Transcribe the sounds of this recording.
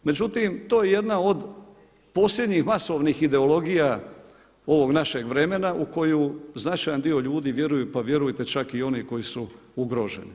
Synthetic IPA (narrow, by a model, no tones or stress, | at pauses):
med͡ʑut̪imt̪oːjeje̞d̪nao̞d̪ | po̞sʎʲed̪ɲixmaso̞ʋnixid̪e̞o̞lo̞ɡija | o̞ʋo̞ɡnaʃe̞ɡʋɾe̞me̞naʔuko̞juznat͡ʃajand̪io̞ʎuːd̪iʋje̞ɾujupaʋje̞ɾujt̪e̞t͡ʃakio̞niko̞jisu | uɡɾo̞ʒe̞̰ni